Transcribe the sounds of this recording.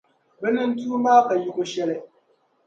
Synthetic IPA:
bɛ˦nɨ˦n˦tuː˦maː˦ka˨jʊ˦kʊ˦ʃɛ˦lɪ˦

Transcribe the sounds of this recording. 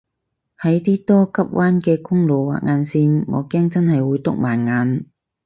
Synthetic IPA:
hɐ˨˥jt̪iː˥t̪ɔː˥kɐ˥p̚wʔaː˥nkɛː˧kʊ˥ŋlo˨wwa̰ː˨k̚ŋaː˨˧nsiː˧nŋɔː˨˧kɛː˥ŋt͡sɐ˥nhɐ˨jwuː˨˧jt̪ʊ˥k̚maː˨˩nŋaː˨˧n

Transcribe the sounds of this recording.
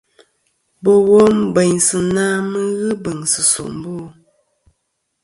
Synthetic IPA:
bɔ˨wo˦m˦be˨ɲsɨ˨naː˦mə˦ɣɨ˦bə˨ŋsɨ˨so̰˨ʔm̩˦boː˦˨

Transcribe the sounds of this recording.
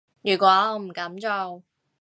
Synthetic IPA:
jyː˨˩kʷɔː˨˥ɔ˧m̩˨˩kɐ˨˥mt͡so˨˧w

